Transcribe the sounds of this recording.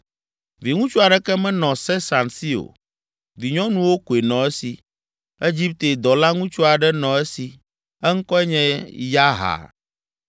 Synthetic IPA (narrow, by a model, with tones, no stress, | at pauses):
vi˨ŋũ˦t͡ʃu˦a˨ɖɛ˦kɛ˦mɛ̃˦nɔ̃˨sɛ˦sa˨nsi˦o̰˨ | vi˨ɲɔ̃˦nũ˦wo˦ko˨e˨nɔ̃˨ɛ˦si˨ | e˦d͡ʑi˦p̚t̪e˨d̪ɔ˨la˦ŋũ˦t͡ʃu˦a˨ɖɛ˦nɔ̃˨ɛ˦si˨ | ɛ˦ŋ̩˦kɔ˦ɛ˦ɲɛ̃˦ja˦ɦa̰˨